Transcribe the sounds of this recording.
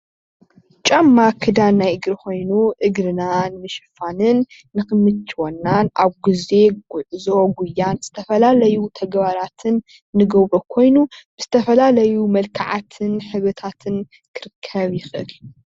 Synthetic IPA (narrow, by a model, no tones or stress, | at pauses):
t͡ʃʼɐmːakʰɨd̪annːajɨɡɾxo̞jnuʔɨɡɾɨnanmɨʃɨfanɨnː | ɨxɨmɨt̪t͡ʃʰwonːanʔaβɡɨze̞ɡʊʕɨzo̞ɡʷʊjːanz̥ɨt̪ʰɐfɐlalɐjut̪ʰɐɡbaɾat̪ʰɨnː | ɨɡɐwbokʰo̞jnub̥ɨz̥ɨt̪ʰɐfɐlalɐjumɐlkʰaʕat̪ʰɨnħɨβɨt̪ʰat̪ʰɨn | kʰɨɾɨkʰːɐβjɪxɨʔɨl